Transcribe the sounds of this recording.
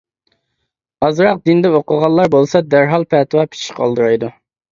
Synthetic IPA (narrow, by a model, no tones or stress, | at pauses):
ɑzɾɑq̚d̪ind̪ɛoqəʁɑnlːˠɑɾbolˠsɑd̪æɾɦɑlˠpʰɛt̪ʰwɑpʰi̥t͡ʃʰi̥qʰɑ̰lˠd̪ɨɾɑjd̪u